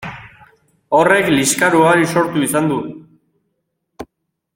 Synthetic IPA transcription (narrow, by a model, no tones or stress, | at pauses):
o̞re̞kliskaɾuaɾiso̞ɾt̪uisand̪u